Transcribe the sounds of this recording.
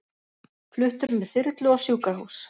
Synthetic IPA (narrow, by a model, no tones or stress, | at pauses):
flʏht̪ʏɾmɛðθʏɾt̪lʏawsjuːkaɾhɦuːs